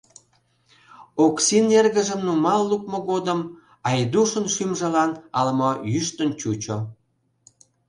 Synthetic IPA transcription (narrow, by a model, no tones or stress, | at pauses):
oksinerɣə̆ʒə̆mnumɑlːuk̚moɣod̪əm | ɑjd̪uʃənʃymʒə̆lɑnɑlmojyʃt̪ənt͡ɕut͡ɕo